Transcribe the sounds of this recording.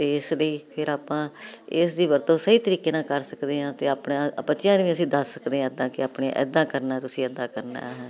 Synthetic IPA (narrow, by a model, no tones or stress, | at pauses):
t̪eːɪsləiːpʰɪɾaːpãːɪsd̪iːʋəɾt̪õːsəiːt̪əɾiːkeːnãːkəɾsəkd̪eːɦãːt̪eːaːpɳãpət͡ʃɪjãːnũʋĩːəsĩːd̪əsːəkd̪eːãːd̪ãːkɪapɳẽʔɛ̰ːd̪ãːkəɾnaːt̪ʊsĩːɛd̪aːkəɾna̰ːɦː